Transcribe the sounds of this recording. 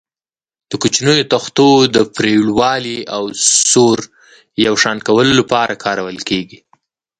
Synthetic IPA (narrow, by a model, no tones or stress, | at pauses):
d̪̥əkut͡ʃnəjot̪axt̪od̪əpɾeɽwɑliawsoɾ | jawʃɑnkawəlolapɑɾʔakʰɑɾawəlkeɡi